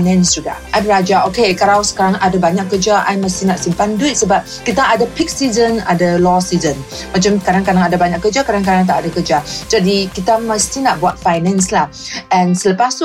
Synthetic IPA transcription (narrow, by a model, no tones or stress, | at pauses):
nɛ̃nsd͡ʒuɡa̰ʔʔabəɾad͡ʒaokekaɾawsə̥kaɾaŋadabaɲak̚kːəd͡ʒaʔa̰jməst̪inaʔsimpanduit̪̚səbap̚kit̪aadapik̚sizəna̰dalɔsizən | mat͡ʃamkaɾaŋkadaŋadabaɲaʔkːəd͡ʒakaɾaŋkaɾaŋt̪aʔadakəd͡ʒad͡ʒadikit̪aməst̪inaʔbuat̪̚fajnɛ̃nslah | ɛ̃nsələpast̪u